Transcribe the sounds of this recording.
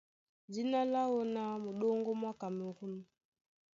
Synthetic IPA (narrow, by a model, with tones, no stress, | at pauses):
d͡ʒi˦na˦la˦wɔ˦na˦mu˨ɗɔ˦ŋɡɔ˦mwa˦ka˨mɛ˨ɣu˦nu˦